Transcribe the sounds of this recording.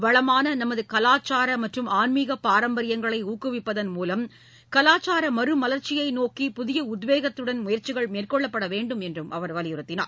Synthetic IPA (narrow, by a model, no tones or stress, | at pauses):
ʋɐɭɐmaːnɐnɐmɐðɯkɐlaːt͡ʃːaːɾɐmɐʈrɯmaːnmiɣɐpaːɾɐmbɐɾɪjɐŋɡɐɭɐɪuːkːɯʋɪpːɐðɐnmuːlɐm | kɐlaːt͡ʃaːɾɐmɐɾɯmɐlɐɾt͡ʃɪjɐɪnoːkipʊðɪjɐʊd̪ʋeːɣɐt̪ːɯɽɐnmʊjɐɾt͡ʃɪɣɐɭmeːrkɔɭːɐpːɐɽɐʋeːɳɖɯmɛndrɯmʔɐʋɐɾʋɐlɪjɯɾɯt̪ːɪna̰ːɾ